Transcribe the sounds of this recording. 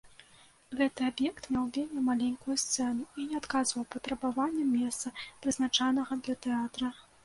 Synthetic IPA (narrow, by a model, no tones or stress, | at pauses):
ɣɛt̪ɨabjɛkt̪mʲawvʲemʲɛmalʲenʲkujust̪sɛnuinʲɛat̪kazvɐwpɐt̪ɾɐbavanʲːɛmʲɛst̪sɐpɾɨznat͡ʂanɐɣɐd̪lʲɐt̪ɛat̪ɾɐ